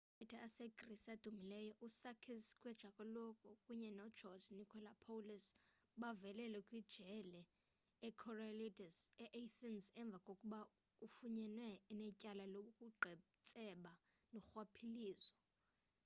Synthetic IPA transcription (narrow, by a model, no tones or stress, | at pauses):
ɛtʰʼaːsekʼrisad̥ʱumilɛjɔʔusakʰiskʼwɛd̥ʒ̥ʱakʼɔlɔkʼɔkʼuɲɛnɔd̥ʒ̥ʱɔznikʰɔlapʰowlisɓavɛlɛlɛkʼwid̥ʒ̥ʱɛlɛː | kʰɔralidisɛʔatʰnsɛɱb̪vʱakʼokʼuɓa | ufuɲɛnwɛnɛcʼalalokʼuɡ͡ǃʱɛ | t͡sʼɛɓa | nɔxwapʰiliːzɔ